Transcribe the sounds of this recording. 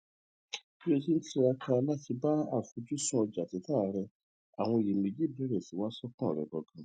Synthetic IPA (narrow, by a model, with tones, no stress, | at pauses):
e˦ti˦n̩˦tĩ˦˧ɾa˧kʰa˧lã˦˨ti˧ba˦a̰˦˨fũ˧d͡ʒu˦sũ˦ɔ˧d͡ʒa˨ti˨˦ta˦˨˦ɾɛ˧ | a̰˨w̃ɔ̃˧˨je˨mĩ˨˧˨d͡ʒi˦bɛ˨˦ɾe˨si˨˦wã˦sɔ˦kɔ̃˦˨ɾɛ̰˨ɡɔ˧ɡã˨˧